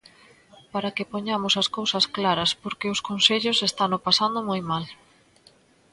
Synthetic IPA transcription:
paɾɐkɪpoɲamʊsɐskowsɐsklaɾɐspoɾkeʊskonseʎʊsest̪anopasand̪omojmal

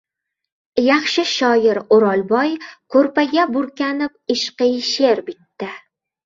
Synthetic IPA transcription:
jɑχʃɪʃɒjɪɾʊɾɒlˠbɒjkʰɵɾpaɡʲabʊɾkʲanɪp̚ɪʃqɨjʃeɾbɪt̪ːɪ

